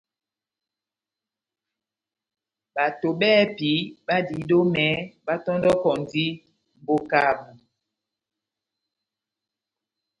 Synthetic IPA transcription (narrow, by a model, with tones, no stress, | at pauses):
ɓa˨to˨ɓɛː˦pi˨˦ɓa˦di˨˦do˦mɛ˨˦ɓa˦tɔ˦ndɔ˦kɔ˨ndi˦ | m̩˨bo˦ka˨ɓu˨